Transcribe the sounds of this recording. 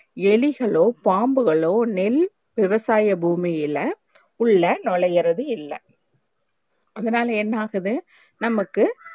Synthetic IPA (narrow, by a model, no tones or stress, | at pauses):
ɛɭɪɣɐɭoːpaːmbɯɣɐɭoːnɛl | ʋɪʋɐsaːjɐbuːmijɪlɐ | ʊɭːɐnɔɭɐjɪɾɐðɯɪlːɐ̰ | ɐðɐnaːlɐɛnːaːɣɐðɯ | nɐmɐkːɯ